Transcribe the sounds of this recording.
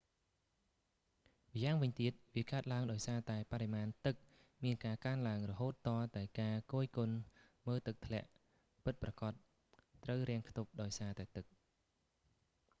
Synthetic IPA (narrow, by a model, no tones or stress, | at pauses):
ʋjaːŋʋɨɲt̪iət̪̚ʋiəkaət̪̚laəŋɗaɔjsaːt̪aɛpaɾemaːnt̪ɨk̚ | miənkaːkaənlaəŋrɔɦoːt̪ːɑːt̪aɛlkaːkoːjkon | məːlt̪ɨk̚t̪ʰlɛ̆əʔ | pɨt̪̚prɑkɑt̪̚ː | rəwrɛ̆əŋkʰt̪up̚ɗaɔjsaːt̪aɛt̪ɨk̚